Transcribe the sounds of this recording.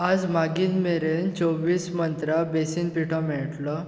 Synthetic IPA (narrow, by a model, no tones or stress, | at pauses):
ad͡zmaɡiːnmeɾent͡sɔʋiːsmənt̪ɾabesiːnpiʈʰɔ̃mɛɭʈlɔ